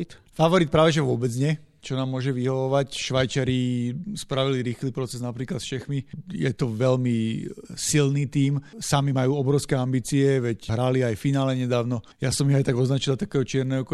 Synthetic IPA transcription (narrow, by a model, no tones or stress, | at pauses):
t̪faʋɔɾit̪̚pɾaːʋɛʒɛʋʊɔbɛd͡zɲɛ | t͡ʃɔnaːmːʊɔʒɛʋiɦɔʋɔʋacʃʋajt͡ʃaɾispɾaʋiliɾiːxliːpɾɔt͡sɛznapɾiːklat̪sfʃɛxmijɛ̰t̪ɔʋɛlmisilniːt̪iːmsamimajuːɔbɾɔʊskɛambiːt͡siɛʋɛcɦɾaliajfinaːlɛɲɛd̪aːʊnɔ | jasɔmiajt̪aɡɔznat͡ʃilat̪akɛːɦɔt͡ʃɪɛɾnɛɦɔkɔ